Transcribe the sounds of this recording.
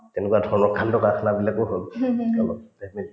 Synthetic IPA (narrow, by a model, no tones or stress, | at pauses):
tɛnɛkuwadʱɔɹnɔkʰːandɔkakʰnabilakʊɦolkalɔtɛni